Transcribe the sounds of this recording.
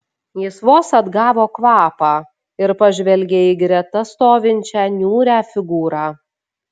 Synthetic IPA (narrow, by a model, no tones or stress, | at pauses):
jɪsʋoːsɐd̪ɡɑːʋoːkʋɑːpɑː | ɪɾpɐʒʲʋʲɛlʲɡʲeiːɡɾʲɛt̪ɐst̪oːʋʲɪnʲt͡ʃʲæːnʲuːɾʲæːfʲɪɡuːɾɑː